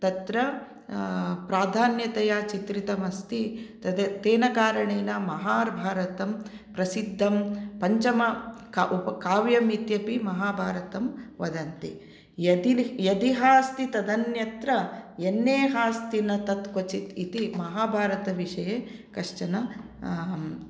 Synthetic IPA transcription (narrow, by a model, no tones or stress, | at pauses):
t̪ɐt̪ɾɐ | pɾaːd̪ʱaːnjɐt̪ɐjaːt͡ʃit̪ɾit̪ɐmɐst̪i | t̪eːnɐkaːɾɐɳeːnɐmɐɦaːɾbʱaːɾɐt̪ɐm | pɾɐsid̪ʱːɐmpɐɲt͡ʃɐmɐkʔupɐkaːʋjɐmit̪jɐpimɐɦaːbʱaːɾɐt̪ɐmʋɐd̪ɐnt̪i | ɐd̪ijɐd̪iɦaːst̪it̪ɐd̪ɐnjɐt̪ɾɐenːeːɦaːst̪inɐt̪ɐt̪kot͡ʃit̪it̪imɐɦaːbʱaːɾɐt̪ɐʋiʂɐjeːkɐʂt͡ʃɐnɐ